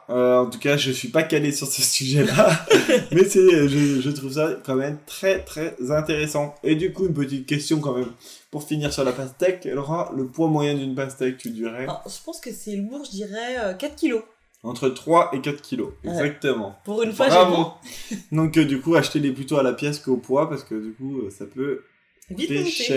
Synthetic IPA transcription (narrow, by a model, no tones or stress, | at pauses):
øɑ̃t̪ukaʒəsɥipakalesyʁsəsyʒɛla | mɛsɛʒəʒət̪χuvsakɑ̃mɛmt̪χɛt̪χɛzɛ̃t̪eʁesɑ̃t̪ed̪ykuynp̬ət̪̬it̪̚kʲɛst̪jɔ̃kɑ̃mɛmpuʁfiniʁsyʁlapast̪ɛka̰lɔʁaləpwãmwajɛ̃d̪ynpast̪ɛk̚t̪ʰyd̪yʁɛʒəpɑ̃skəsɛluʁʒəd̪iʁɛøkat̪χkʲilo | ɑ̃t̪χət̪χwaʔekat̪χkʲiloɛɡzak̚t̪əmɑ̃puʁynfwaʁavõd̪ɔ̃kd̪ykuaʃt̪eleplyt̪oalapjɛskopwapaʁskəd̪ykuøsapø | vifɛʃɛ